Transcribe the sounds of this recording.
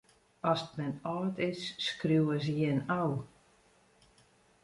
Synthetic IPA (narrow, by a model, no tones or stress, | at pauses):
ɔsətmɛnɔːtɪsːkrjuwəs̬jɪnaw